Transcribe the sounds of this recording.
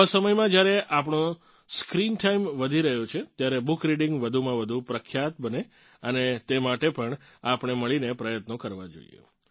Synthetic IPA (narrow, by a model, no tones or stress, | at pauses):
səməjmãd͡ʒjaɾeʔapɳõ | skɾinʈaimʋəd̪ʱiɾəɦjot͡ʃʰet̪jaɾebukɾiɽɪŋɡʋəd̪ʱumãʋəd̪ʱupɾəkʰːjat̪̚bəne | ənet̪emaʈepəɳ | apɳ̃eməɭinepɾəjət̪nokəɾʋad͡ʒo̰ḭjḛ